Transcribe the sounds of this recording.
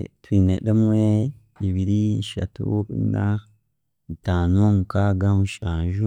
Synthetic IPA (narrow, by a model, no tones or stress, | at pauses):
twiːneɗemwe | iβiɾieʃa̰tṵna | itaːnomukaɡamuʃaːɲʒu